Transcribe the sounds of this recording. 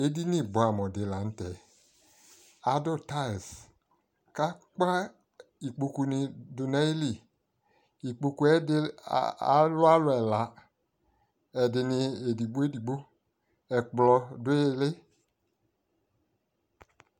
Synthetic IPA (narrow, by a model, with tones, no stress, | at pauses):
e˦di˦ni˦˨bo˨a˨mɔ˨dɪ˨la˨n̩˦tɛ˨ | a˨˦dɔ˦˨ta˦˨s | ka˦k͡pa˦ | i˨k͡po˧ku˧nɪ˧dʊ˨na˦i˦li˨ | i˨k͡po˧ku˨˦ɛ˦da̰˨˦lʊ˦a˦lʊ˦ɛ˨la˨˦ | ɛ˨dɪ˧nɪ˧e˨di˨bo˦e˦di˨ɡ͡bo˦ | ɛ˨k͡plɔ˧dʊ˦e˦˧le˦